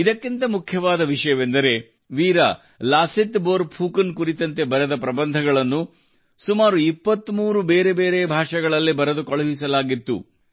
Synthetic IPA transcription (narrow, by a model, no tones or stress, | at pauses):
id̪ɐkːint̪ɐmukʰjɐʋaːd̪ɐʋiʂɐjɐʋend̪ɐɾe̞ | ʋiːɾɐ̰ | laːsit̪boːɾpʰuːkɐnkuɾit̪ɐnt̪e̞bɐɾed̪ɐpɾɐbɐnd̪ʱɐɡɐɭɐnːu | sumaːɾuipːɐt̪ːmuːɾube̞ːɾe̞be̞ːɾebʱaːʂɐɡɐɭɐlːibɐɾɐd̪ukɐɭɐʋisɐlaːɡit̪ːṵ